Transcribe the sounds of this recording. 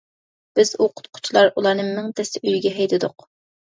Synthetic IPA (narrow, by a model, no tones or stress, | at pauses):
b̥ɪz̥uqʰʊ̥t̪̚qʰʊ̥t͡ʃʰilˠɑɾulˠɑɾnɨmmɪŋt̪ʰɛsɪʔyjɡʲɛɦɛjd̪ɪd̪ʊq